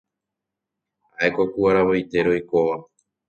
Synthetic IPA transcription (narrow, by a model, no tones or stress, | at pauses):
aekokuaɾaβojt̪e̞ɾo̞jko̞ʋa